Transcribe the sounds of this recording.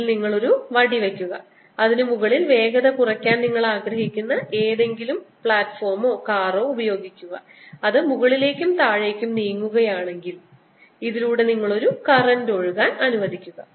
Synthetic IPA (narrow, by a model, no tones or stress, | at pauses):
lniŋːɐɭo̞ɾuʋɐɽiʋekʲːuɣɐ | ɐðinɨmuɣɐɭilʋe̞ːɡɐðɐkurɐkʲːaːnniŋːɐɭaːɡɾɐɦikʲːunːɐʔe̞ːðe̞ŋɡilumpɭaːtfo̞ːrmo̞ːkaːro̞ːubɐjo̞ːɡikʲːuɣɐ̰ | ɐðɨmuɣɐɭile̞ːkʲːumt̪aːɻe̞ːkʲːumniːŋːuɣɐjaːɳe̞ŋɡil | iðiluːɽe̞niŋːɐɭo̞ɾukɐrɐndo̞ɻɣaːnɐnuʋɐd̪ʱikʲːuɣɐ̰